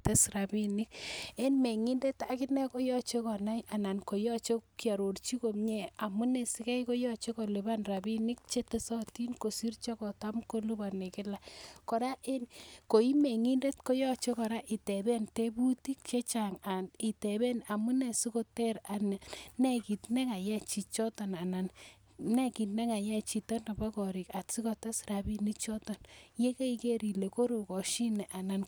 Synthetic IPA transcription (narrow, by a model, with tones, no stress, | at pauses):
te˦sra˨bi˦nɪ˦ke˦nme˨ŋi˦nde˦ta˨ki˦nɛ˦ko˦jɔ˦t͡ʃe˦kɔ˨na˦jʔa˨na˨nko˨jɔ˦t͡ʃo˦kja˨ɾo˨rt͡ʃi˦ko˨mɲe˦˨a˨mu˦ne˨si˦kɛ˦jko˦jɔ˦t͡ʃe˦ko˨le˨ba˦nra˨bi˦nɪ˦k̚t͡ʃe˦te˦sɔ˦ti˦nko˨si˦rt͡ʃɔ˦kɔ˨ta˦mko˦lu˦ba˨ne˨kɪ˦la˨kɔ˨ɾa˦ʔe˦nko˨i˦me˨ŋi˦nde˦tko˦jɔ˦t͡ʃɔ˦kɔ˨ɾa˦ʔi˨tɛ˨bɛ˦nte˦bu˦ti˦k̚t͡ʃe˦t͡ʃa˨ŋa˨ni˨tɛ˨bɛ˦na˨mu˦nɛ˨si˦ko˦tɛ˦ɾa˨na˨nɛ˦˨ki˨tnɛ˦ŋa˨jɛ˦t͡ʃi˨t͡ʃɔ˦tɔ˨na˨na˨n | nɛ˦ki˨tnɛ˦ŋa˨ja˦t͡ʃi˨tɔ˦na˨ba˦kɔ˨ɾi˨ka˨tsi˦kɔ˦ta˦sɾa˨bi˦ni˦t͡ʃɔ˦tɔ˨nje˦ke˦i˦ke˦ɾi˨le˨ko˦ɾo˨kɔ˨ʃi˦nɛ˨ʔa˨na˨n